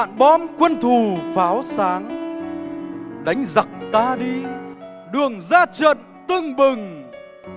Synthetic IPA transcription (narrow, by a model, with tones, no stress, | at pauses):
a̰ː˧˨nɓɔ˧˥mkwə˧nt̪ʰu˨˩faː˨˦wsaː˨˦ŋ | ɗa˨˦jŋ̟za˨˩k̚t̪aː˧ɗi˧ | ɗɨ˨˩əŋzaː˧t͡ɕə̰˧˨n | t̪ɨ˧ŋɓɨ˨˩ŋ